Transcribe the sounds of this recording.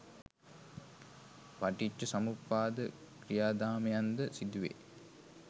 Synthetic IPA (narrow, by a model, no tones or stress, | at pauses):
ʋaʈit͡ʃːəsamupːaːd̪əkrijaːd̪aːməjand̪əsid̪uʋḛ